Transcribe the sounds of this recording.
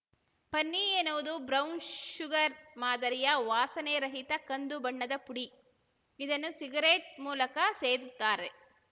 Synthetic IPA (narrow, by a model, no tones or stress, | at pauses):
pɐnːienuʋɐd̪ubɾɐwnʃuɡɐɾmaːd̪ɐɾijɐʋaːsɐneɾɐɦit̪ɐkɐnd̪ubɐɳːɐd̪ɐpuɽi | id̪ɐnːusiɡɐɾeːʈ̚muːlɐkɐseːd̪ut̪ːaːɾe